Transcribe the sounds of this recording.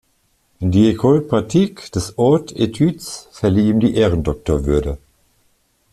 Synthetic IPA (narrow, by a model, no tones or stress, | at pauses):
diekʰɔlpʁatʰikd̥əsɔɐtʰetʰytsfɛɐliiːmdiʔɛːʁəndɔk̚təɐvʏɐdə